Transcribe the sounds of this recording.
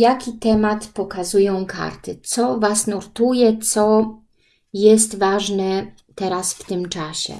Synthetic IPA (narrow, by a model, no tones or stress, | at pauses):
jakʲit̪ɛmat̪pɔkazujɔ̃w̃ka̰ɾt̪ɘt̪sɔvasnuɾt̪ujɛt̪sɔ | jɛst̪vaʐnɛ | t̪ɛɾasft̪ɘmt͡ʂaɕɛ̰